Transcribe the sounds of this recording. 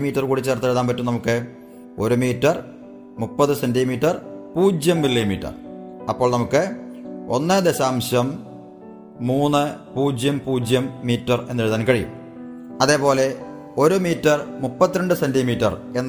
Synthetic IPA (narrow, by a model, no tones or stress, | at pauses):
miːtːɐrkuːɽit͡ɕːeːrt̪ːeɻuðaːnpɐtːumnɐmukːɨ | o̞ɾumiːtːɐr | mupːɐðɨsendimiːtːɐrpuːd͡ʑjɐmːilːimḭːtːɐ̰rɐpːo̞ːɭnɐmukːɨo̞nːɨd̪eɕaːmɕɐm | uːnːɨpuːd͡ʑjɐmpuːd͡ʑjɐmːiːtːɐre̞nːeɻt̪ːaːnkɐɻijṵm | ɐðe̞ːpo̞ːle̞ | o̞ɾumiːtːɐrmupːɐt̪ːiɾɐɳɖɨsendimiːtːɐre̞nː